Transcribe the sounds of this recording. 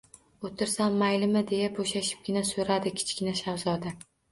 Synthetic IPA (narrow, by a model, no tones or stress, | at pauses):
ot̪ʰɪɾsanːajlɪmɪd̪e̞jaboʃaʃɪ̥p̚ɡʲɪnasoɾad̪ɪkʲʰɪ̥t͡ʃkʲɪnaʃawzɒd̪a